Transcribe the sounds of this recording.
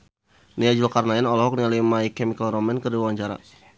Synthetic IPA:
niad͡ʒulakarnaɛnɔlɔɦɔk̚nialimaikɛmikalɾɔmɛnkərdiwawaɲt͡ʃaɾa̰

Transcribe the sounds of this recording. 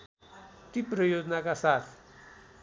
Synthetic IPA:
t̪iprʌjod͡zʌnakasat̪ʰ

